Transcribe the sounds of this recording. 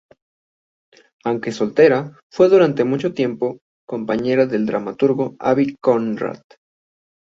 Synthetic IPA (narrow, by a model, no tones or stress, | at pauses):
awŋke̞so̞lt̪e̞ɾa | fwe̞ðuɾant̪e̞mut͡ʃo̞t̪je̞mpo̞ | ko̞mpaɲe̞ɾaðe̞ld̪ɾamat̪uɾɣo̞a̰βikonra̰t̪